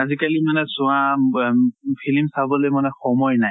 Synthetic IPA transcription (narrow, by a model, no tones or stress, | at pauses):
azikalimanɛzʊ̃a | pʰilimsabɔlojmanɛxɔmɔjnaj